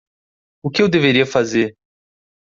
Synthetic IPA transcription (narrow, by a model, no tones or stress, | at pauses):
ʊkɪewd̪eveɾiɐfazeɾ